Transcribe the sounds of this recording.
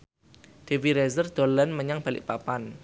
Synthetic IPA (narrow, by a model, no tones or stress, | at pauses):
d̥e̤wiɾɛzərd̪̥o̤lənməɲaŋb̥a̤lɪ̰ʔpapan